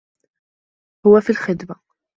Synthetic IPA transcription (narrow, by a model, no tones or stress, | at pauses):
hʊwafiːlxɪd̪ma